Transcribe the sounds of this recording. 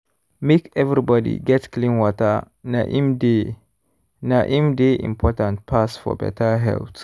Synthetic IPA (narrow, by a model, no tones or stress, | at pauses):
mekɛvɾibɔdḭɡɛtklĩnwɔtə̰ | na̰ʔimde | naʔĩmdeḭ̃mpʰɔtãnt̚pʰasfɔ̰bɛ̰tʰəɦɛ̰lt